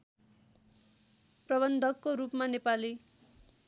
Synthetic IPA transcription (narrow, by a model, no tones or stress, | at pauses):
prʌβʌnd̪ʱʌkːoɾupmanepali